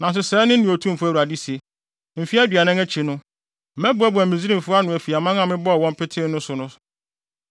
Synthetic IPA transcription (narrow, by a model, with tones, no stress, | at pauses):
nã˨n˨s̬ɪ˨sɛ˨˦nɪ̃˦ɪ̃˨o˨tʰũ˦m̩fʊ˦æ˦˨u˨a˨di˦si˨e˨ | m̩˨fi˦æ˦dɥa˨nã˦ŋæ˦t͡ɕʰi˨nʊ̃˦˨ | mɛ̃˦bʊ˨ɛ˦bʊ˨æ˨mĩ˨zi˦ɾi˦˨fʊ˦a˦nʊ̃˨æ˨fi˨a˨mã˦ŋã˨mɪ̃˦bɔ˦ɔ˨wɔ̃˦m̩˦pʰɪ˦tʰɪ̃˦nʊ̃˦sʊ˨nʊ̃˦